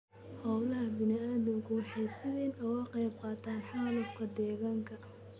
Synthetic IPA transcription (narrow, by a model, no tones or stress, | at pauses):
hɑwlɐɦɐbɪnɪaːðɪŋkʰʊħɛjsɪβɛːnɔwɑqɛjb̚qɑːt̪ʰaːnħaːlʊb̚kʰɐd̪ɛːɣaːŋkʰɐ